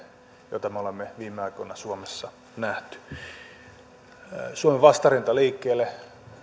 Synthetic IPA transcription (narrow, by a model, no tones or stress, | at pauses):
jo̰t̪ɑmeolemːeʋiːmːeɑikonɑsuomesːɑ | næht̪y̥ | suomeʋɑst̪ɑrint̪ɑliːkːeːlːe